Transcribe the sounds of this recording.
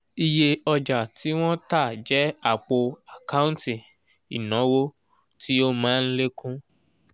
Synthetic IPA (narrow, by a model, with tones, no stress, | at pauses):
i˧je˧ɔ˧d͡ʒa˨ti˨˦w̃ɔ̃˦ta˦˨d͡ʒɛ˦a˦˨k͡po˧a˨ka˦ũ˦nti˨ | i˨nɔ̃˨˦wo˦ | tʰi˦o˦mãː˦n̩˦le˦kũ˦